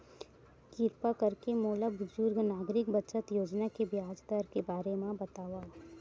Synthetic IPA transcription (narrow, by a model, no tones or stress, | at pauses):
kiːɾpakɐɾkemoːləbʊd͡ʒʊɾɡnaːɡɾɪkbɐt͡ʃət̪joːd͡ʒnakebjaːd͡ʒd̪aɾkebaːɾemãbɐt̪aːʋa